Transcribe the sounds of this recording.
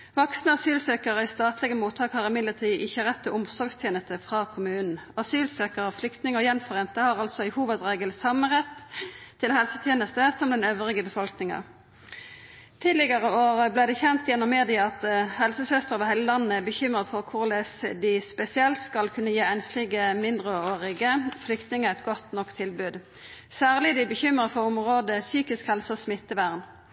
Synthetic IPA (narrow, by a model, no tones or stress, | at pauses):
ʋɑksnəɑsyːlsøːkəʁəɪst̪ɑːt̪lɪɡəmuːt̪ʰːɑːkhɑʁɪmɪd̪ləʁt̪ʰiːʔɪçːəʁɛt̪ʰːɪlʔʊmsɔɾɡst̪ʰjeːnəst̪əfʁɑːkʰʊmʉːnn̩ɑsyːlsøːkəʁəflʏkt̪nɪŋəjɛnfɔʁeːnt̪əhɑʁɑlsɔɪhuːʋəd̪ʁeːɡəlsɑmːənʁɛt̪ʰːɪlɦɛlsət̪ʰjeːnəst̪əsɔmd̪ɛnøːʋʁɪɡəbəfɔlknɪŋɑ̰ | t̪ʰiːd̪lɪɡɑʁəoːʁəblæːd̪ɛçɛnt̪jɛnːɔmːeːd̪ɪɑɑt̪hɛlsəsœst̪əʁəʋɪhæɪljəlɑnːəæbəçʏmʁəd̪fɔʁkʰʊʁlɛsd̪ɪspɛsɪɛlt̪skɑlkʰʉnːəjiːɛnslɪɡəmɪnd̪ʁəoːʁɪɡəflʏkt̪nɪŋəæt̪̚ɡɔt̪nɔkt̪ʰɪlbʉːd̪ | sæːʁlɪd̪ɪbəçʏmʁəfɔʁɔmʁoːd̪əsyːkɪskhɛlsəɔsmɪt̪ːəʋæʁn